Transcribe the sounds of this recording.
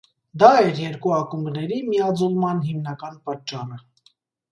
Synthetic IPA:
d̪ɑɛɾjɛɾkuɑkumbnɛɾimiɑd͡zɔlmɑnɦimnɑkɑnpɑt̪̚t͡ʃɑrə

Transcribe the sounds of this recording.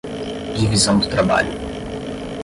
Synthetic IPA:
ivizɐ̃w̃d̪ʊt̪ɾaba̰ʎʊ

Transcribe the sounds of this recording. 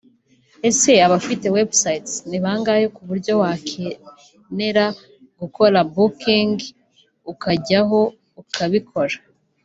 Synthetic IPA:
e̞se̞aβafite̞we̞bsajtniβaːŋɡajokuβuɾɟo̞wakʰe | ne̞ɾa | ɡuko̞ɾabukiŋɡ | ukaɟaɦo̞ | ukʰaβikʰo̞ɾḁ

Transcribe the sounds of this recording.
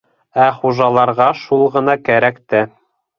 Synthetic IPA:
æχuʒɑlˠɑɾʁɑʃulˠʁɤ̆nɑkæɾækt̪æ

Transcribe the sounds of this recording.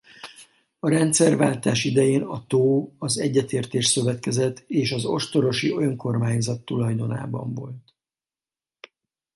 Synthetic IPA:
ɒɾɛnt̪sɛrva̰ːlt̪aːʃid̪ɛjeːnɒt̪oːɒzɛɟːɛt̪eːrt̪eːʃsø̞vɛt̪kɛzɛt̪ːeːʃɒzo̞̰ʃt̪o̞ɾo̞ʃio̞jɒŋko̞rmaːɲzɒt̪ːulɒjd̪o̞na̰ːbɒ̰ɱvo̞lt̪

